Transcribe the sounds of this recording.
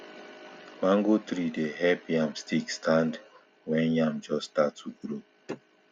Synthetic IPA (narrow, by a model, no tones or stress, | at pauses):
mãŋɡot̪ɾidehɛpjãmstikstʰãnd | wɛ̃njãmd͡ʒɔstatuɡɾo